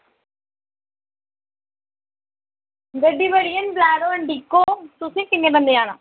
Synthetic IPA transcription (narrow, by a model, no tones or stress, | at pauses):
ɡəɖiːbəɽijənblaːɽoəɳɖiːkːoːt̪ʊsĩːkɪnːẽːbənd̪eːaːna̰ː